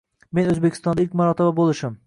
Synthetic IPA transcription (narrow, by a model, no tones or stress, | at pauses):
menɵzbekʲʰɪ̥st̪ɒnd̪aɪlkʲmaɾɒt̪ʰababolˠɪʃɪm